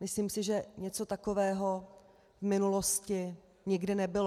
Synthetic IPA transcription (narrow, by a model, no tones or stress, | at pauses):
mɪsliːmsɪʒɛɲɛt͡so̞t̪akovɛːɦo̞ | vmɪnuloscɪ | ɲɪɡdɪnɛbɪl